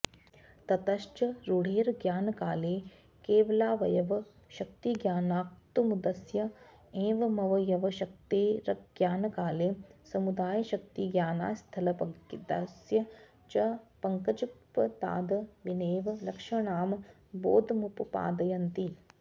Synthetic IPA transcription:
t̪ɐt̪ɐʃt͡ʃɐɾuɽeːɾɐɡjaːnɐkaːleː | keːʋɐlaːʋɐjɐʋɐ | ʃɐk̚t̪iɡjaːnaːk̚t̪umud̪ɐsjɐ | ẽːʋɐmɐʋɐjɐʋɐʃɐk̚t̪eːɾɐɡjaːnɐkaːleːsɐmud̪aːjɐʃɐkt̪iɡjaːna̰ːst̪ʰɐlɐpɐkit̪asjɐ | t͡ʃɐpɐŋkɐt͡ʃupːɐd̪a̰ːd̪ɐʋineːʋɐlɐkʂɐɳaːm | bo̰ːd̪ɐmupɐpa̰ːd̪ɐjɐnt̪i

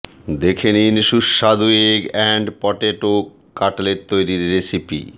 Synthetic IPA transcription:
d̪ekʰeniniʃuʃʃad̪ueɡɛɳɖpɔʈeʈo | kːaʈleɾt̪ojɾiɾːesipḭ

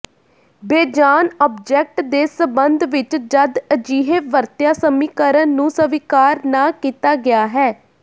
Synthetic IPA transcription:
beːd͡ʒaːnɔːp̚d͡ʒɛːk̚ʈd̪eːsəbənd̪ʋɪt͡ʃd͡ʒəd̪əd͡ʒiːɦeːʋəɾt̪jaːsəmiːkəɾənːũːsəʋikaːɾnaːkiːt̪aːɡɪaːɦɛː

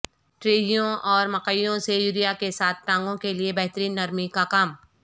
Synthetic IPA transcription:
ʈɾeːɦjõʔɔːɾmɐqəɪjõsejuːɾijakesaːt̪ʰʈãːŋɡõkeliebɐɦt̪ɾiːnːɐɾmikakaːm

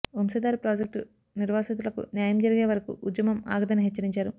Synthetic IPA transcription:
umsɐd̪aːɾipɾaːd͡ʒek̚ʈu | niɾʋaːsɐt̪̬ulɐkṵnjaːjɐmd͡ʒɐɾiɡe̞ːʋɐɾɐkṵʔud̪jɐmɐma̰ːɡɐd̪ɐniɦet͡ʃːɐɾiɲt͡ʃaːɾu

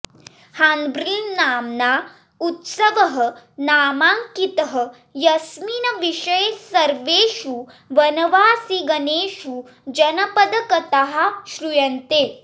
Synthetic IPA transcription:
haːnbɾiːnːaːmnaː | ut̪sɐʋɐɦɐ̆naːmaːŋkit̪ɐɦɐ̆ | jɐsminɐʋiʃɐjesɐɾʋeːʃu | ʋɐnɐʋaːsiɡɐneːʃu | d͡ʒɐnɐpɐd̪ɐkɐt̪aɦaʃɾujɐnt̪eː

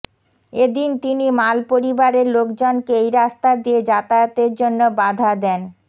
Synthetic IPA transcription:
ed̪int̪inimalpoɾibaɾeɾlokd͡ʑonkeejɾast̪ad̪ied͡ʑat̪aot̪eɾd͡ʑonːobad̪ʱad̪ɛn

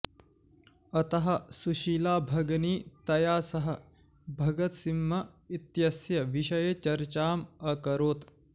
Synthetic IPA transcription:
ɐt̪ɐɦɐ̆suʃiːlaːbʱɐɡniːt̪ɐjaːsɐɦɐ̆ | bʱɐɡɐt̪simːɐit̪jɐsjɐʋiʃɐjet͡ʃɐɾt͡ʃaːmɐkɐɾoːt̪

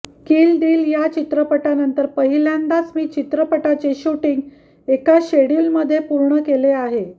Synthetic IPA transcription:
kiːlɖ̪iːljat͡ɕit̪ɾəpəʈanənt̪əɾpəɦiljand̪at͡smiːt͡ɕit̪ɾəpəʈat͡ɕeɕuʈiŋɡ | ekaɕeɽilməd̪ʱːjepuɾɳəkeleaɦe

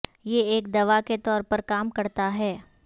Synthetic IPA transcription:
jeeːk̚d̪ɐʋaket̪ɔːɾpɐɾkaːmkɐɾt̪aɦɛː

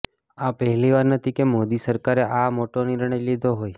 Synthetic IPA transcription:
apəɦɛliʋaɾnət̪ʰikemod̪isəɾkaɾeʔamoʈonɪɾɳ̃əjlid̪ʱoɦoj

